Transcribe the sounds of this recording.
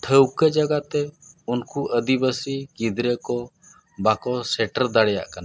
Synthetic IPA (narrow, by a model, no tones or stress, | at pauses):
ʈʰəwkəd͡ʒaɡat̪ɛunkuʔəd̪ibəsiɡid̪ɾɛkɔ | bakɔsɛʈəɾd̪aɽɛja̰ʔkana